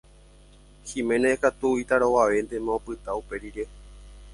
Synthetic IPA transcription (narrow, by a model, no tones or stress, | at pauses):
himẽneekat̪uit̪aɾowaʋe̞nd̪e̞mãopɨt̪aupe̞ɾiɾe̞